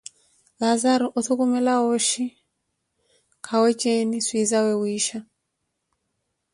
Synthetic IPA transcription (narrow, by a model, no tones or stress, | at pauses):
lazaɾɔʔɔθukumɛlaɔʃi | kʰawɛt͡ʃɛniswizawɛwiʃa